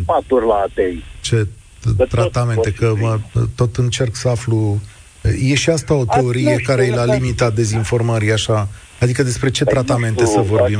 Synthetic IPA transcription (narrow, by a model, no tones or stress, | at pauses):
pat̪urʲlaːt̪ejt͡ʃe̞ | t̪ɾat̪ame̞nt̪e̞kəmət̪o̞t̪ɨnt͡ʃe̞rksəaflu | je̞ʃiast̪ao̞t̪eo̞ɾije̞kaɾe̞jlalimit̪at̪̚d̪e̞zinfo̞rməɾiaʃa | ad̪ikəd̪e̞spɾe̞t͡ʃe̞t̪ɾat̪ame̞nt̪e̞səvo̞ɾbim